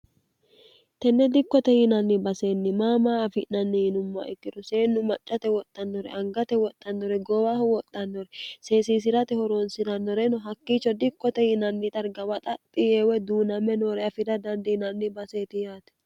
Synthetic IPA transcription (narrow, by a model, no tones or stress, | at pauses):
t̪ɛnːɛd̪ɪkːɔt̪ɛhɪnɐnːɪbɐseːnːɪmaːmaːfɪnɐnːɪhɪnʊmːɐ̰ʔɛkːɪd̪ʊse̞ːnːʊmɐt͡ʃʼːɐt̪ɛwɔt̪ʼːɐnːɔɾɛ̰ʔɐŋɡɐt̪ɛwɔt̪ʼːɐnːɔɾɛɡɔwaːhʊwɔt̪ʼːɐnːɔɾɛse̞ːsiːs̬ɪɾɐt̪ɛhɔɾoːnsɪɾɐnːɔɾɛnɔɦɐkːiːt͡ʃːɔd̪ɪkːɔt̪ɛhɪnɐnːɪt̪ʼɐɾɡɐwɐt̪ʼɐt̪ʼːɪjeːwɛd̪uːnɐmɛnoːɾɛɐfɪd̪ɐd̪ɐnd̪ɛɪnɐnːɪbɐse̞ːt̪ɪjaːt̪ɛ̥